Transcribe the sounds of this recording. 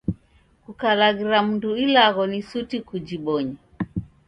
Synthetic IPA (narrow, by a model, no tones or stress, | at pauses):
kukalaɣiɾam̩nduilaɣɔnisutikud͡ʒiɓɔɲɛ